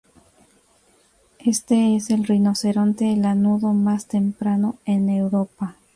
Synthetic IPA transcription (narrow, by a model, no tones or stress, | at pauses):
e̞st̪e̞ese̞lrino̞se̞ɾo̞nt̪elanuðo̞mast̪e̞mpɾano̞e̞newɾopa